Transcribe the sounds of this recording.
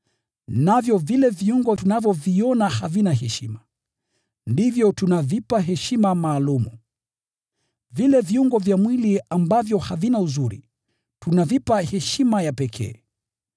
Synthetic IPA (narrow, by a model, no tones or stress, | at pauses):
navjɔvilɛviuŋɡɔtunavjɔviɔnahavinaɦɛʃima | ndivjɔtunavipaɦɛʃimamaːlumṵ | vilɛviuŋɡɔvjamwiliambavjɔhavinauzuɾḭ | tunavipahɛʃimajapɛkʰɛ̰ː